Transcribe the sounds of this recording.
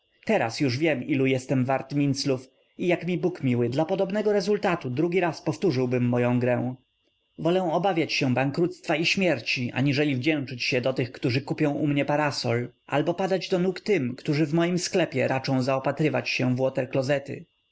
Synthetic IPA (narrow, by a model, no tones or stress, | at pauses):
t̪ɛɾa̰sjuʐvʲjɛmilujɛst̪ɛmvaɾt̪mʲint̪sluf | ijakmʲibukmʲiwɘd̪lapɔd̪ɔbnɛɡɔɾɛzult̪at̪ud̪ɾuɡʲiɾaspɔft̪uʐɘwbɘmːɔjɔ̃w̃ɡɾɛw̃ | vɔlɛw̃ɔbavʲjat͡ɕɕɛbaŋkɾut̪st̪faiɕmʲjɛɾt͡ɕiʔa̰ɲiʐɛlʲivd͡ʑɛ̃w̃t͡ʂɘt͡ɕɕɛd̪ɔt̪ɘxkt̪uʐɘkupʲjɔ̃w̃umɲɛpaɾasɔlʔa̰lbɔpad̪ad͡ʑd̪ɔnukt̪ɘmkt̪uʐɘvmɔjimsklɛpʲjɛɾat͡ʂɔ̃w̃zaɔpat̪ɾɘvat͡ɕɕɛvwɔt̪ɛɾklɔzɛt̪ɘ̰